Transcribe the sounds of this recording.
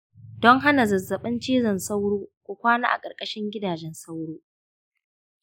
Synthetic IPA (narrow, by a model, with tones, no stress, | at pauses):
dɔ˦ŋɦa˦na˨zɐ˨zːɐ˨ɓɐ˦nt͡ʃiː˦zɐ˨nsa˦wɽoː˦kʷoː˨kʷaː˦na̰ː˦ʔa̰˨kʼɐ˨rkʼɐ˦ʃɪ˦ŋɡʲɪ˦daː˨d͡ʒɛ˦nsa˦wɽoː˦ʔ